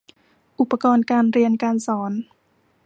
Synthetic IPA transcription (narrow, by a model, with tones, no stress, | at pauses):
ʔu˨˩pːa˧kɔː˧nkaː˧nɾi˧ənkaː˧nsɔː˩˦n